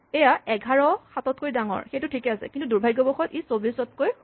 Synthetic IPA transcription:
ɛjaɛɡʱaɹɔxatɔt̚kojdaŋɔ̰ɹxejtʊtʰikɛasɛ̰kintuduɹbʱajɡɔbɔxɔtisobisɔtkoj

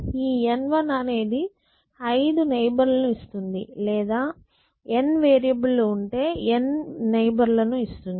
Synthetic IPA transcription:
iːenʋɐnɐne̞ːd̪i | ɐjd̪unejbɐɾlɐnuist̪und̪ḭlɛːd̪aː | enʋeːɾijɐbulːouɳʈe̞ːenːejbɐɾlɐnuist̪und̪i

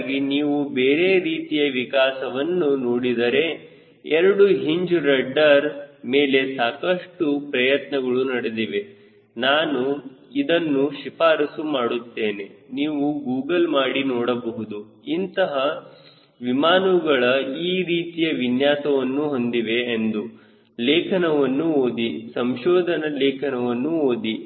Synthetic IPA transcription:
ɡiniːʋubeːɾeɾiːt̪ijɐʋikaːsɐʋɐnːunoːɽid̪ɐɾe̞ | ɛɾɐɽuɦiɲd͡ʒɾɐɖːɐɾme̞ːle̞saːkɐʂʈupɾɐjɐt̪nɐɡɐɭunɐɽed̪iʋe̞ | naːnuid̪ɐnːuʃipaːɾɐsumaːɽut̪ːe̞ːne̞niːʋuɡuːɡɐlmaːɽinɔːɽɐbɐɦud̪u | int̪ɐɦɐ | ʋimaːnuɡɐɭɐiːɾiːt̪ijɐʋinjaːsɐʋɐnːuɦo̞nd̪iʋe̞ːnd̪u | leːkʰɐnɐʋɐnːuoːd̪isɐmʃɔːd̪ʱɐnɐleːkʰɐnɐʋɐnːuoːd̪i

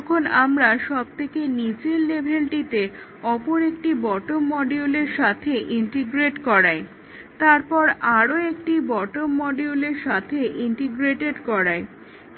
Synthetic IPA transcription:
kʰonamɾaʃɔb̚t̪ʰekenit͡ɕelːebʱeɳʈit̪e | ɔpoɾekʈibɔʈomːɔɖiuleɾʃat̪ʰeʔiɳʈiɡɾeʈkɔɾaj | t̪aɾpɔɾaɾoekʈibɔʈomːɔɖiuleɾʃat̪ʰeʔiɳʈiɡɾeʈeɖkɔɾaj

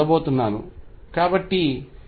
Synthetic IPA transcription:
ɐbo̞ːt̪unːaːnṵkaːbɐʈːi

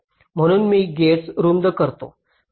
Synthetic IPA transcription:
m̤əɽ̃uːnmiːɡesɾund̪əkəɾt̪o̰

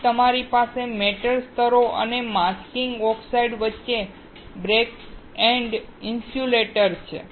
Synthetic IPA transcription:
t̪əmaɾipasemeʈəɾst̪əɾoʔə̰nemaskɪŋɡɔksaiɖʋətːʃe | bɾek | ɛɳɖ | ɪnsjuleʈəɾt͡ʃʰḛ

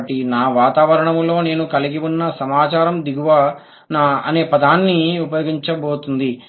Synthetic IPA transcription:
ʈinaːʋaːt̪aːʋɐɾɐɳɐmlo̞ːne̞ːnukɐliɡiunːɐsɐmaːt͡ʃaːɾɐmd̪iɡuʋaː | naɐ̰ne̞ːpɐd̪aːnːiupɐjo̞ːɡiɲt͡ʃɐbo̞ːt̪und̪i

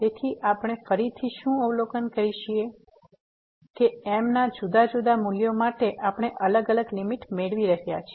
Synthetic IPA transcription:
t̪et̪ʰiʔapɽ̃efəɾit̪ʰiʃũəʋlokənkəɾiʃie | keemnad͡ʒud̪ad͡ʒud̪amuljomaʈeʔapɽ̃eʔələɡələɡlimiʈmeɭʋiɾəɦjat͡ʃʰie

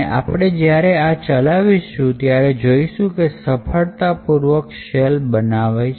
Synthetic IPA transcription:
ʔa̰pɽ̃ed͡ʒjaɾeat͡ʃəlaʋiʃũt̪jaɾed͡ʒoiʃũkesəpʰəɭt̪apuɾʋəkʃelbənaʋa

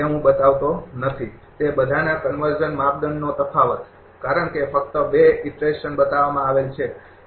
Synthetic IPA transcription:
eɦũbət̪aʋt̪onət̪ʰit̪ebəd̪ʱanakənʋəɾd͡ʒənmap̚d̪ənnot̪əfaʋət̪ | kaɾəɳkefək̚t̪əbeɪʈɾeʃənbət̪aʋamãaʋelt͡ʃʰe

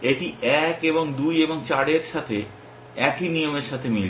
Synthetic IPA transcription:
eʈiɛkeboŋd̪ujeboŋt͡ɕaɽeɾʃat̪ʰe | ɛkinijomeɾʃat̪ʰemil

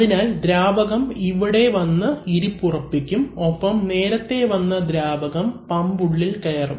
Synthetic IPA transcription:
ɐðinaːld̪ɾaːbɐɣɐmiʋiɽe̞ʋɐnːɐiɾipːurɐpːikʲːumo̞pːɐmne̞ːɾɐt̪ːe̞ʋɐnːɐd̪ɾaːbɐɣɐmpɐmbuɭːilkɐjɐrum

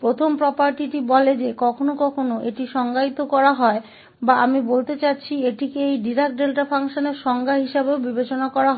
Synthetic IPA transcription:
pɾot̪ʰompɾɔpaɾʈiʈibɔled͡ʑekɔkʰonokɔkʰonoʔeʈiʃɔŋɡʱait̪okɔɾaɦɔe | baamibolt̪et͡ɕatːɕʰieʈikeejɖiɾak̚ɖelʈapʰaŋʃoneɾʃɔŋɡʱaɦiʃabeobibet͡ɕonakɔɾaɦɔ

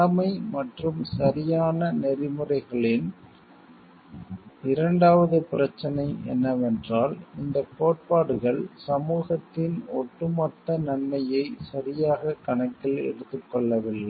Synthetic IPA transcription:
ɐmɐɪmɐʈrɯmsɐɾɪjaːnɐnɛɾɪmɯrɐɪɣɐɭɪn | ɪɾɐɳɖaːʋɐðɯpɪɾɐt͡ʃːɐnɐɪɛ̰nːɐʋɛndraːlɪnd̪ɐpoːʈ̚paːɽɯɣɐɭsɐmuːɣɐt̪ːɪnɔʈːɯmɐt̪ːɐnɐnmɐjɐɪsɐɾɪjaːɣɐkɐnɐkːɪlɛ̰ɽɯt̪ːɯkːɔɭːɐʋɪlːɐɪ

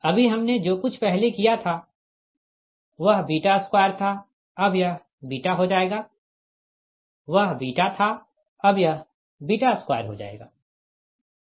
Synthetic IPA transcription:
ɐbʱiɦɐmned͡ʒoːkʊt͡ʃʰpɛɦlekijat̪ʰa | ʋɐɦbiːʈaskwaːəɾt̪ʰa | ɐbʱjɐɦ | biːʈaɦod͡ʒaːeːɡaː | ʋɐɦbiːʈat̪ʰa | ɐbjɐɦ | biːʈaskwa̰ːjəɾɦo̰d͡ʒa̰ːḛːɡa̰ː

